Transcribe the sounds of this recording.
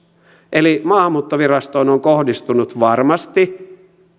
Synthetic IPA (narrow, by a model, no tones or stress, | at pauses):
ʔelimɑːmːˑuːt̪ːoʋirɑst̪oːnoŋkohdist̪unut̪ʋɑrmɑst̪i